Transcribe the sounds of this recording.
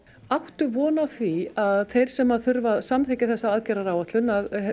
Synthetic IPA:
awht̪ʏvɔːnaθviaðθejɾ̥sɛmːaðθʏɾvaðsamt̪ʰɛːcɪθɛsːaaːðcɛɾaɾaːwat̪lʏnað

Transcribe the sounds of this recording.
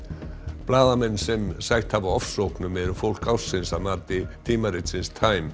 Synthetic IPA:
plaːðamɛnːsɛmsajht̪havaɔfsowknʏmɛðʏfowl̥kawsɪnsamaɾt̪ɪt̪ʰiːmarɪt̪sɪnst̪ʰaːjm

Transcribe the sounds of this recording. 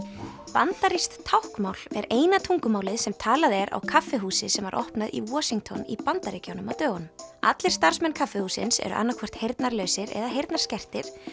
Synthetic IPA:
pant̪aɾist̪t̪ʰːawhkmawlɛɾeːjnat̪ʰuŋkʏmaːwlɪðsɛmt̪ʰaːlaðɛɾa̰wkʰafːɪɦuːsɪsɛmvaɾʔɔ̰hpnaðḭwɔːsiŋt̪ʰɔnḭpant̪aɾecawnʏmawt̪œːɣanʏma̰t̪lɪɾ̥st̪aɾ̥smɛnkʰafːɪhuːsɪ̰nsɛ̰ɾʏ̰ʔa̰nːakʰɛr̥t̪hejɾt̪naɾlœːɥsɪɾɛ̰ðaɦejɾt̪naɾ̥scɛr̥t̪ɪɾ̥

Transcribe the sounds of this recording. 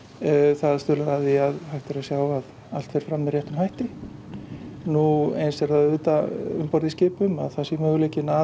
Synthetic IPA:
θaðt̪ʏːlaðaðiaðhajht̪aɾasjaːwvað | al̥t̪fejɾ̥fɾamːɪrjɛht̪ʏmhajht̪ɪ | nuejnsɛɾθaðʏːt̪aʏmpɔɾðiscɪːpʏma̰ðθasɪmœːɣʏleːcɪna

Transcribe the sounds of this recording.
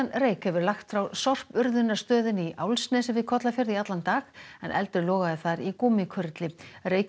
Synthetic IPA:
nreːjkhɛvʏɾlaxt̪fɾawsɔr̥pʏɾðʏnːḁst̪œːðʏniʔa̰wlsnɛsɛmvɪðkʰɔt̪lafjœɾðiat̪lant̪aːɣɛ̰nʔɛ̰lt̪ʏɾlɔːɣaðɪθaɾikuːmɪkʰʏɾt̪lɪreːj

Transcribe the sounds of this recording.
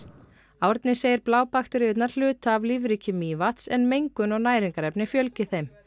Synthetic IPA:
awɾt̪nɪseːjɪɾplaːwpaxt̪ʏɾɪʏt̪naɾ̥l̥ʏːt̪aːvliːvɾicʰɪmiːvat̪sɛnmejŋkʏnɔɣnaːjɾiŋkaɾɛpnɪfjœlcɪθejm

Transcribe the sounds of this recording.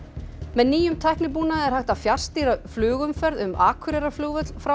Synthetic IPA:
mɛðniːjʏmt̪ʰajhknɪpuːnaðɛɾ̥hajht̪afjar̥st̪iɾaflʏːɣʏmfɛɾðʏmaːkʰʏɾɛɾafluːɣʏt̪lfɾa

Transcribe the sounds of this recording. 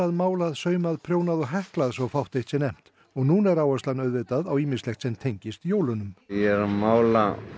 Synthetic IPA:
aðmaːwlaðsœːɥmaðpʰɾjoːwnaðɔɣɦɛhklaðsvɔwfawht̪ejht̪sɛnejm̥t̪ | ɔɣnuːnɛɾaːwœslanœɥðveːt̪aðawiːmɪnslɛxt̪sɛmt̪ʰejɲcɪst̪joːwlʏnʏmjɛɾmaːwla

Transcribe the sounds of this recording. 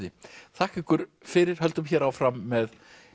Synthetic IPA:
ðɪ̰θʰahkɪkʏɾ̥fɪɾɪɾ̥ɦœlt̪ʏmçɛːɾaːwfɾamːɛð

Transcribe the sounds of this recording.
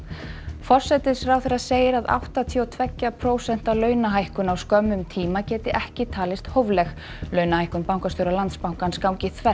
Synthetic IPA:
fɔr̥sɛt̪ɪsɾawθɛɾaðseːjɪɾaða̰wht̪at̪ʰiɔt̪ʰvɛcːapʰɾoːwsɛn̥t̪alœːɥnaɦajhkʏnawskœmːʏmt̪ʰiːmacɛːt̪ɪʔɛhcɪt̪ʰaːlɪst̪howvlɛx | lœːɥnahajhkʏnpawŋkasowɾalant̪spawŋ̥kanskawɲcɪθʰvɛ

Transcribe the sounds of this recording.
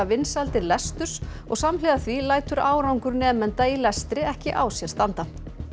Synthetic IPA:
avɪnsalt̪ɪɾlɛst̪ʏ̥s | ɔ̰ɣsamlɛːɣaθvilaːjt̪ʏɾa̰ːwɾawŋkʏɾnɛːmɛnt̪ailɛst̪ɾɪɛhcɪʔaːwsjɛɾ̥st̪ant̪a

